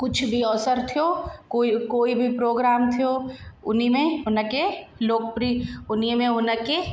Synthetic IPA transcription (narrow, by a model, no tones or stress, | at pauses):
kʊt͡ʃʰbʱiɔːsəɾt̪ʰijoːkoikoːibʱipɾoːɡɾaːmt̪ʰijoːʊ̰nimẽʊnəkeloːk̚pɾiʊnimẽʊnəke